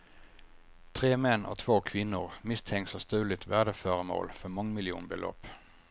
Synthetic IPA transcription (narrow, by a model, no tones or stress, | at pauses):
t̪ʰʁeːmɛno̰ːt̪ʰʋoːkʰʋɪnʊʁmɪst̪ʰɛŋsəst̪ʉːlɪt̪ʰʋæd̪əføːʁəmo̰ːlfɔmɑŋmɪlɪṵːnbəlʔø̰ːp